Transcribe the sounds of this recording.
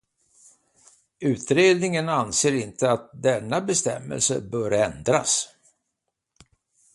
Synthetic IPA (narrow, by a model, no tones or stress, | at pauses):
ʉ̟ːt̪ɾeːd̪nɪŋənanseːɾɪnt̪ʰəat̪̚d̪ɛnːabɛst̪ɛ̰mːə̰lsə̰bœːɾɛnd̪ɾa̰s